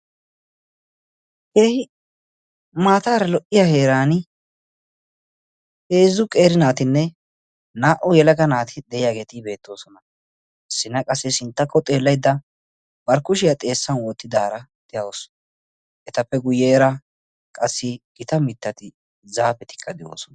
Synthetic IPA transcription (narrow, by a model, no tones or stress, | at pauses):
hehɪ | maːt̪aːɾɐlɔʔɪjahe̞ːɾaːnɪ | heːzʊkʼeːɾɪnaːt̪ɪnːɛ | naːʔɔjɛlɐɡɐnaːt̪ʰɪd̪ɛjɪjaːɡe̞ːt̪ɪbe̞ːt̪ːo̞ːsɔnɐ | ʔɪsːɪnɐkʼɐsːɛsɪnt̪ːɐkʰːɔt̪ʼe̞ːlːɐjd̪ːɐ | bɐɾkʊʃɪjɐt̪ʼe̞ːsːɐnwɔːt̪ːɪd̪aːɾɐd̪̥ɪjɐwos | ʔɛt̪ɐpːɛɡʊjeːɾɐ | kʼɐsːɪɡ̥ɪt̪ɐmɪt̪ːɐt̪ɪ | zaːpɛt̪ɪ̥kʰːɐd̪ɪjo̰ːsɔn